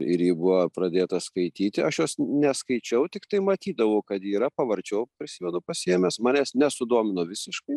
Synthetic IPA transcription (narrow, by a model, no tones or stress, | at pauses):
ɪɾjiːbʊʋɐprɐd̪ʲeːt̪ɐskɐɪt̪ʲiːt̪ʲɪɐʃjoːsnʲɛskɐɪt͡ʃʲɛʊt̪ʲɪkt̪ɐɪmɐt̪ʲiːd̪ɐʋɐʊkɐt̪iːɾɐpɐʋɐɾʲt͡ʃʲoːpʲɾʲɪsʲɪʋʲɛd̪ʊpɐsʲiɛmʲeːsmɑːnʲɛːsnʲɛsʊd̪uɔmʲɪnoːʋʲɪsʲɪʃkɐɪ